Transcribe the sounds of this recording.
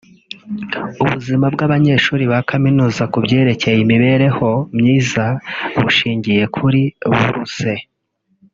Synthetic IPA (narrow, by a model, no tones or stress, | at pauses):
uβuzimabɡaβaɲe̞ʃuːɾiβakaminuːzakubɟe̞ːɾe̞ce̞jimiβe̞ɾe̞ho̞mɲiːzaβuʃiːɲɟije̞kʰuɾiβṵɾṵse̞